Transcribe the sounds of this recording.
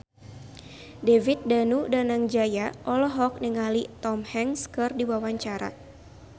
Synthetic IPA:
devit̪̚danudanaŋd͡ʒajaʔɔlɔɦɔk̚niŋalit̪ɔmhɛŋskɨrdiwawaɲt͡ʃaɾa̰

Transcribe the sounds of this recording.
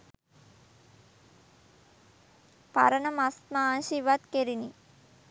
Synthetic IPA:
pa̰ɾənəmast̪maːnʃiʋat̪keɾini

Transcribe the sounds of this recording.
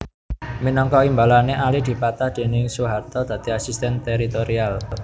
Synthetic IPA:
minɔŋkɔimbalaneʔalid̪̥i̤pat̪ahd̪̥e̤nɪŋsuɦat̪ɔd̪̥ä̤t̪iasist̪ɛnt̪eɾit̪oɾial

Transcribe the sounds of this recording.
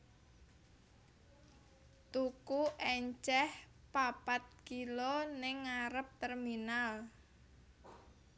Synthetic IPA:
t̪ukuʔɛɲt͡ʃɛh | papat̪̚kilonɪŋːaɾəp̚t̪ɛrminal

